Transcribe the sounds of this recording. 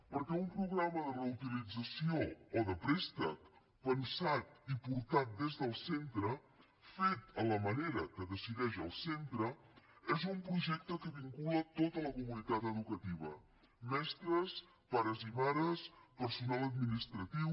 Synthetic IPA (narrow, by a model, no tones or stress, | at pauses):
pəɾkɛumpɾuɣɾaməðərəut̪ilid͡zəsioːðəpɾɛst̪ə̰k | pənsat̪ipuɾt̪at̪̚d̪ezðəlˠsent̪ɾə | fet̪ələməneɾəkəðəsiðɛʃəlˠsent̪ɾəezumpɾuʒɛk̚t̪əkəβiŋkulət̪ot̪ələkumunit̪at̪əðukət̪iβ̞ə̰ | mɛst̪ɾəs | paɾəzimaɾəspəɾsunalˠəd̪̚minist̪ɾət̪iw